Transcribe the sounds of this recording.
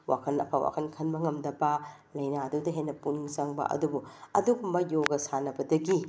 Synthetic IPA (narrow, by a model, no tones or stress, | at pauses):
wʔa̰kʰɐnɐ̰pʰa̰wa̰kʰɐnkʰɐnbɐŋɐmdɐbɐ | lɐjnadudɐɦenɐpuniŋzɐŋbɐ̰ʔɐ̰dubuɐ̰duɡumbɐjoɡɐsanɐbɐdɐɡi